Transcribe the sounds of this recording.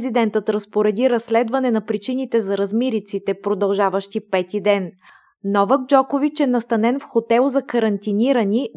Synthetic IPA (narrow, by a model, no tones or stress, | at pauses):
zid̪ɛnt̪ət̪ɾɐspoɾɛd̪iɾɐsːlɛd̪vɐnɛnɐpɾit͡ʃinit̪ɛzɐɾɐzmiɾit̪sit̪ɛpɾod̪ɐlˠʒavəʃt̪ipɛt̪id̪ɛn | nɔvəɡ̚d͡ʒɔkovit͡ʃɛnɐst̪ɐnɛnfxot̪ɛlˠzɐkɐɾɐnt̪iniɾəni